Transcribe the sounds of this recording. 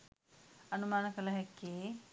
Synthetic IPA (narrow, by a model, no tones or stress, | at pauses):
ɐnumaːnɐkɐlɐɦɛkːeː